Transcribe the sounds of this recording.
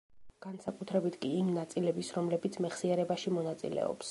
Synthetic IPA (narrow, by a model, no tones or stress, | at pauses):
ɡ̥ansakʼut̪ʰɾɛbit̪ʰkʼiːmnat̪sʼilɛbisɾɔmlɛbit̪sʰmɛχsiɛɾɛbaʃimɔnat̪sʼḭlɛ̰ɔ̰ps